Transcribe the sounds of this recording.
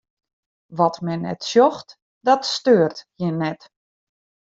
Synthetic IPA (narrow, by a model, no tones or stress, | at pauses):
ʋɔtmɛnɛ̰tsjɔxt | dɔtstøːrthjɪnːɛt